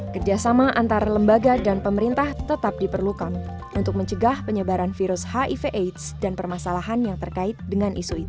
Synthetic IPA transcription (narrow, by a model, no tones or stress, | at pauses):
kərd͡ʒasamaʔant̪aɾaləmbaɡadanpəməɾint̪aht̪ət̪ap̚dipərlukan | unt̪ʊk̚məɲt͡ʃəɡahpəɲəbaɾanfiɾʊshaʔifeʔet̪sdanpərmasalaɦanjaŋt̪ərkaɪt̪̚dəŋanʔisuit̪u